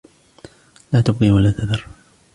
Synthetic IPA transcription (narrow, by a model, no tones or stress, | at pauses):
laːt̪ʊb̚qiwalaːt̪aðɑɾˤ